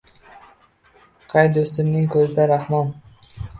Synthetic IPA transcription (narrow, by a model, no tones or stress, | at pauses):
qʰɑjd̪ʊst̪ɪmnɪŋkʰɵzɪd̪aɾahmɒn